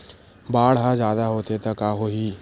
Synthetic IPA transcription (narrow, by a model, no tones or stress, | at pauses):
baːɽɦãzjaːd̪aɦoːt̪et̪ɐkaːɦoɦiː